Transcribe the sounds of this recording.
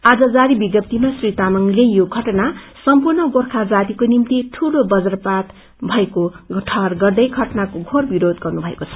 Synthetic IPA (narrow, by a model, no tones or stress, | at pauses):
ad͡zʌd͡zaɾibiɡjʌp̚t̪imasrit̪amʌŋlejjoɡʱʌʈnasʌmpurnʌɡorkʰad͡zat̪ikonimt̪iʈʰulobʌd͡zʌrpat̪ | bʱʌekoʈʰʌrɡʌrd̪ʌjɡʱʌʈnakoɡʱorbiɾod̪ɡʌrnubʱʌḛkot͡sʰʌ̥